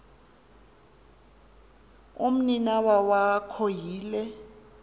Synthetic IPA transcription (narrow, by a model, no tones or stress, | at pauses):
um̩ninawawakʰojiːlɛ